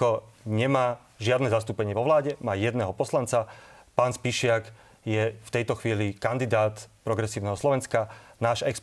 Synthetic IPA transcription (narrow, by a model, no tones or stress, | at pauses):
ɔɲɛmaː | ʒɪad̪nɛːzast̪uːpɛɲɪɛʋɔʋlaːɟɛmaːjɛd̪nɛɦɔpɔslant͡sapaːnspiʃɪak | jɛft̪ɛjt̪ɔxʋiːlikand̪id̪aːt̪pɾɔɡɾɛsiːʊnɛɦɔslɔʋɛnskanaːʒɛks